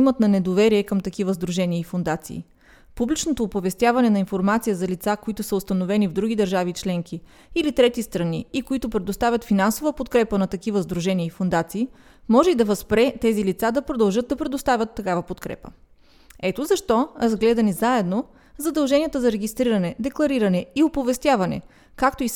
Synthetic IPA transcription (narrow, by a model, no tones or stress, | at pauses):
imət̪nɐnɛd̪ovɛɾiɛkəmt̪ɐkivəzd̪ɾuʒɛniəifond̪at̪sḭː | publit͡ʃnot̪oːpovɛst̪javɐnɛnɐinfoɾmat̪sijəzɐlit̪sakoit̪ʊsəʊst̪ɐnovɛnivd̪ɾuɡ̟id̪ɐɾʒavit͡ʃlɛŋki | ilit̪ɾɛt̪ist̪ɾɐniikoit̪ʊpɾɛd̪ost̪avʲət̪finansovəpot̪kɾɛpənɐt̪ɐkivəzd̪ɾuʒɛniəifond̪at̪siː | mɔʒɛid̪ɐvɐspɾɛt̪ɛzilit̪sad̪ɐpɾod̪ɐlˠʒɤt̪̚d̪ɐpɾɛd̪ost̪avʲət̪ːɐkavəpot̪kɾɛ̰pə̰ | ɛt̪ozɐʃt̪ɔɾɐzɡlɛd̪ɐnizaɛd̪no | zɐd̪ɐlˠʒɛniət̪əzɐɾɛɡʲist̪ɾiɾɐnɛd̪ɛklˠɐɾiɾɐnɛiopovɛst̪ʲjavɐnɛ̰ | kakt̪ois